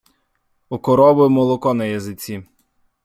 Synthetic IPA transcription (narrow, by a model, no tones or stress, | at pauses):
ukɔɾɔbɪmɔlˠɔkɔnɐjɐzɪt͡sʲi